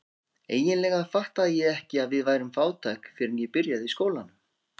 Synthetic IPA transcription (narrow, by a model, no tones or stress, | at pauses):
eːjɪnlɛɣafaht̪aðjɛɣɛhcɪaðvɪðvaːjɾʏmfaːwt̪ʰajkfɪɾɪnjɛpɪɾjaðiskoːwlanːʏm